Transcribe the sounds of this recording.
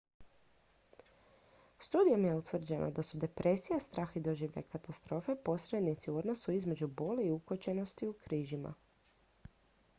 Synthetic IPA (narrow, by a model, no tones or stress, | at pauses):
st̪uːd̪io̞mje̞ut̪ʋr̩d͡ʑe̞nʔo̞̰d̪asud̪e̞pɾʔe̞sijast̪ɾʔaːxid̪o̞ʒiːʋʎa̰jkat̪ast̪ɾo̞ːfe̞po̞sɾe̞d̪nit̪siuo̞d̪no̞suizme̞d͡ʑubo̞leiukot͡ɕe̞no̞st̪iukɾiːʒima̰